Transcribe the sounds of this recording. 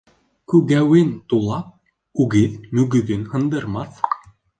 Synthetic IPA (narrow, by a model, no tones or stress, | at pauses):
kʉɡæwɘnt̪ulˠɑp̚ | ʉɡiðmɵɡɵðɘnhɤ̆nd̪ɤ̆ɾmɑθ